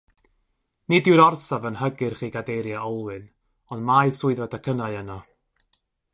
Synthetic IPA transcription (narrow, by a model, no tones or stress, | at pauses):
nidɪwɾɔrsavənhəɡɪrχiːɡadejɾjaʔɔlˠwɨn | ɔndmajsʊɨðadakʰənaɨənɔ